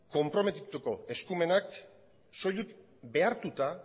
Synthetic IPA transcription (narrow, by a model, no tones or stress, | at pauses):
ko̞mpɾo̞me̞t̪it̪uko̞e̞skume̞nak | so̞juk̪ | be̞aɾt̪ut̪a